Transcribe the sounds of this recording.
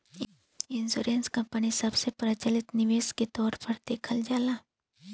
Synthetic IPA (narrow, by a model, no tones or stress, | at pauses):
ɪnsuːɾeːnskɐ̃mpənisɐbsepɾət͡ʃəlɪt̪nɪʋeːsket̪ɔːɾpɐɾd̪̥eːkʰəld͡ʒaːlaː